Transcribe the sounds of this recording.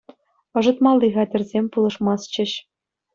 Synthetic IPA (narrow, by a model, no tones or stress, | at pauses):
ɤ̆ʐɤ̆t̪mɑlˠːiʁɑd̪ʲɘ̆rʲzʲemʲpulˠɤ̆ʂmɑst͡ɕɘ̆ɕ